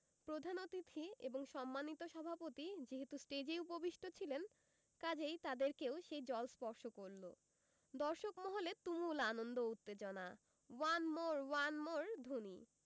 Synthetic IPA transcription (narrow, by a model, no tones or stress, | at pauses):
pɾod̪ʱanot̪it̪ʰːieboŋʃɔmːanit̪oʃɔbʱapot̪id͡ʑeɦet̪usʈed͡ʑejupobiʃʈʰot͡ɕʰilen | kad͡ʑejt̪ad̪eɾkeoʃejd͡ʑɔlspɔɾʃokoɾlo̰ | d̪ɔɾʃokmɔɦolet̪umulanond̪out̪ːed͡ʑona | wanmoɾwanmoɾd̪ʱunḭ